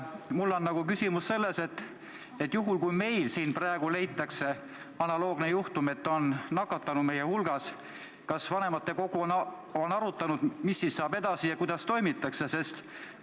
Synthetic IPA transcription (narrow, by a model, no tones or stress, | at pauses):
mulːo̞nːɑɡukysimusːe̞lːe̞se̞t̪ˑː | et̪ːˑjuɦulkujme̞jlsiːnprɑeɡ̥ule̞jt̪ːˑɑkse̞ | ɑnɑlo̞ːɡ̥nejuht̪ume̞t̪ːˑo̞nnɑkːɑt̪ːˑɑnud̪me̞jehulɡ̥ɑs | kɑsvɑne̞mɑt̪ːe̞ko̞ɡ̥uon | onɑɾut̪ːˑɑnud̪̥misːisːɑːb̥e̞d̪̥ɑsijɑkujd̪ɑst̪o̞jmit̪ːˑɑkse̞se̞st̪